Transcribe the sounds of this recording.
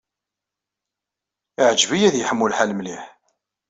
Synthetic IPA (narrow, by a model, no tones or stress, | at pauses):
ɪʕəd͡ʒvijæðjəħəmːulħalmliħ